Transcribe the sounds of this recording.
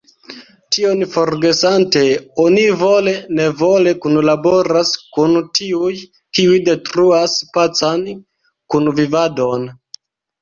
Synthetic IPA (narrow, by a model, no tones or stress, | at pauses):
tio̞nfo̞ɾɡe̞sante̞onivo̞le̞ne̞vo̞le̞kunlabo̞ɾaskuntʰiuj | kiujde̞tɾuaspat͡san | kunvivado̞n